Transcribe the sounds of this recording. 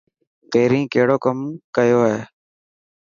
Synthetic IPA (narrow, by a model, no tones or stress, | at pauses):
t̪eːɾĩːkeːɽoːkəmkəjoːɦeː